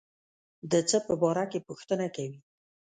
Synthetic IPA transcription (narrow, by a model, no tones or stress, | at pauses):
d̪ət͡səpəbɑɾakepuxt̪ənakawi